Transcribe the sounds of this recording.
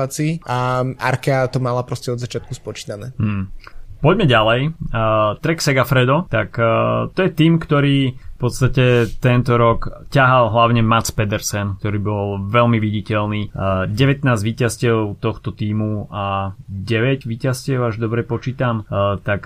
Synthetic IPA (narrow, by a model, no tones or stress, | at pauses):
at͡siʔaa̰ɾkat̪ɔmalapɾɔscɛɔd̪zat͡ʃɪat̪̚kuspɔt͡ʃi̥ːnanɛːpɔɟmɛɟalɛj | t̪ɾɛksɛɡafɾɛd̪ɔt̪akt̪ɔjɛt̪iːmkt̪ɔɾiːfpɔt̪st̪acɛt̪ɛnt̪ɔɾɔkcaɦalɦlaʊɲɛmat̪t͡spɛd̪ɛɾsɛnk̚t̪ɔɾiːbɔlˠʋɛlmiʋiɟicɛlniːɟɛʋɛt̪naːzʋiːcascɛlʊt̪ɔxt̪ɔt̪iːmuaɟɛʋɛɟʋiːcascɪɛʊaʒd̪ɔbɾɛpɔt͡ʃiːt̪amt̪ak